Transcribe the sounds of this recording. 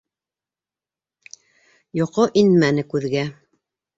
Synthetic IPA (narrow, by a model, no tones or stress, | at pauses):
joqoʔinmænɘkʉðɡæ